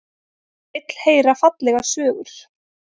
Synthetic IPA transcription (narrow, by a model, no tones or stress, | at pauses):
ɪt̪l̥heːjɾafat̪lɛɣasœːɣʏɾ̥